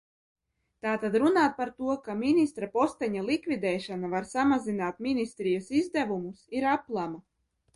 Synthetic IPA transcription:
t̪aːt̪ad̪ɾunaːt̪̚paɾt̪uɔkamʲinist̪ɾapɔst̪ɛɲalˠikvʲid̪ɛːʃanavaɾsamazinaːt̪̚mʲinist̪ɾijasizd̪ævumusiɾaplˠama

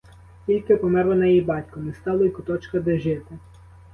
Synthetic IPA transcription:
kʲilʲkɪpɔmɛɾlˠɔnɐjijbɑtʲkɔnɛst̪ɑlˠɔjkʊt̪ɔt͡ʃkɐd̪eʒɪt̪ɪ

